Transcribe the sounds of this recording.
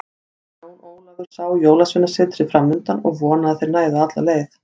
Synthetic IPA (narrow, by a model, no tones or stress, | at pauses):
oːw̪oːwlaɣʏɾ̥saːwjoːwlasvɪnːasɪːt̪ɾɪðfɾamːʏnt̪anɔɣvɔːnaðθejɾnaːjðaat̪laleːjθ